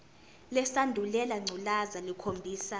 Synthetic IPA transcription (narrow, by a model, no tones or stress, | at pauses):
lɛsandʱulɛlaŋ͡ǀʱulazalikʰombʱiːsa